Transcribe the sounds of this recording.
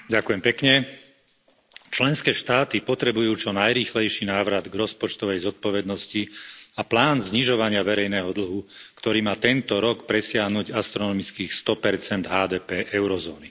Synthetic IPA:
ɟakʊjɛmpɛkɲɛ | t͡ʃlɛnskɛːʃt̪aːt̪ipɔt̪ɾɛbujuːt͡ʃɔnajɾiːxlɛjʃiːnaːʋɾad̪ɡɾɔspɔt͡ʃt̪ɔʋɛjzɔt̪̚pɔʋɛd̪nɔsciaplaːnzɲiʒɔʋaɲɪaʋɛɾɛjnɛːɦɔd̪l̩ɦukt̪ɔɾiːmaːt̪ɛnt̪ɔɾɔkpɾɛsɪaɦnuɟast̪ɾɔnɔmit͡skiːxst̪ɔpɛɾt͡sɛnd̪ɦaːd̪ɛːpɛːʔɛʊɾɔzɔːni

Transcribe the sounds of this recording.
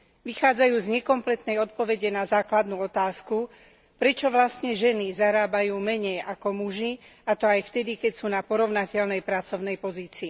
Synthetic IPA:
ʋixaːd͡zajuːzɲɛkɔmplɛt̪nɛjɔt̪̚pɔʋɛɟɛnazaːklad̪nuːɔt̪aːsku | pɾɛt͡ʃɔʋlast̪ɲɛʒɛnizaɾaːbajuːmɛɲɛjakɔmuʒiat̪ɔajft̪ɛd̪ikɛcsuːnapɔɾɔʊnacɛʎnɛjpɾat͡sɔʊnɛjpɔziːt͡siː

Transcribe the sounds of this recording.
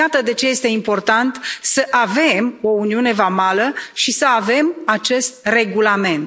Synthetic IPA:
jat̪əd̪e̞t͡ʃe̞je̞st̪e̞impo̞rt̪ant̪səʔave̞mo̞uniune̞vamaləʃisəave̞mat͡ʃe̞st̪̚re̞ɡulame̞nt̪

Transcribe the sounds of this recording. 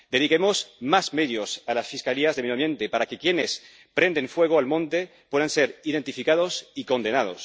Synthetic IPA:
d̪e̞ðikemosmazme̞ðjosalasfiskaliazðemejoamje̞nt̪epaɾake̞kje̞nes | pɾe̞nd̪eɱfwe̞ɣ̞oalmõ̞nt̪e̞ | pweðanse̞ɾiðe̞nt̪ifikað̞osiko̞nd̪e̞nað̞o̞̰s

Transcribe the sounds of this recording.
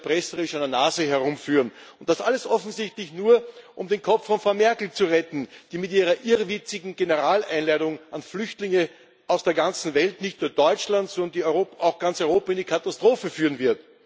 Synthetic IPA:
pʁɛsəʁɪʃaɪndɐnaːzəɦɛɐʁʊmfyːʁən | ʊntd̥asaləsʔɔfn̩zɪçtlɪçnuːɐʔʊmdenkʰɔp͡ffːɔnfʁaʊmɛɐkl̩t͡suʁɛtn̩d̥iːmɪtʔiːʁɐʔɪʁvɪt͡sɪɡŋ̩ɡenəʁaːlæ̰ɪnlaɪdʊŋʔanflʏçtlɪŋə | ʔaʊsd̥eːɐɡant͡sn̩vɛltnɪçtnuːɐdɔʏt͡ʃlantzɔnəndiːʏoːpaʊxɡ̥ant͡sɔʏʁoːpaɪndiːkʰatastʁ̥oːfəfyːʁənvɪɐt

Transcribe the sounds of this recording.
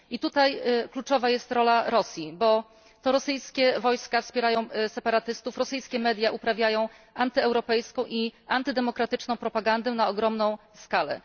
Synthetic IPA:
it̪ut̪ajklut͡ʂɔvajɛst̪ɾɔlaɾɔsʲjibɔ | t̪ɔɾɔsɘjskʲɛvɔjskafspʲjɛɾajɔ̃w̃sɛpaɾat̪ɘst̪ufɾɔsɘjskʲɛmɛd̪ʲjaʔupɾavʲjajɔ̃w̃ | ant̪ɘɛwɾɔpɛjskɔ̃w̃ʔiant̪ɘd̪ɛmɔkɾat̪ɘt͡ʂnɔ̃w̃pɾɔpaɡand̪ɛnaɔɡɾɔmnɔ̃w̃skalɛ̰

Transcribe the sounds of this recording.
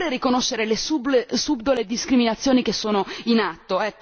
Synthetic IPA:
ɾerikonoʃːeɾelesublesubd̪oled̪iskɾiminat̪sːjoːnik̟esːoːnoinat̪ːoɛkː

